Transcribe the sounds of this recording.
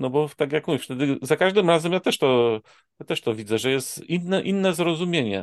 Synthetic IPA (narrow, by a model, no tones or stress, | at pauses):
nɔbɔft̪akʲjakmuvift̪ɛd̪ɘzakaʐd̪ɘmɾazɛmjat̪ɛʂt̪ɔ | jat̪ɛʂt̪ɔvʲid̪zɛʐɛjɛst̪inːɛʔinːɛzɾɔzumʲjeɲɛ̰